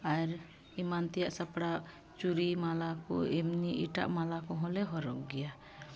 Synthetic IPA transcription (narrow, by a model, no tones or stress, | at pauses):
aɛɾ | imant̪ɛjaʔsapɽa | t͡ʃuɾimalakɔ̰ɛmniʔiʈa̰ʔmalakɔɦɔ̃lɛɦɔɾɔ̰k̚ɡɛja